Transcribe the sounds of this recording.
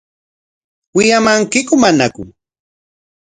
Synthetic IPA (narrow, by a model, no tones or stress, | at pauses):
wɪjamaŋkɪkʊmanakʊ̰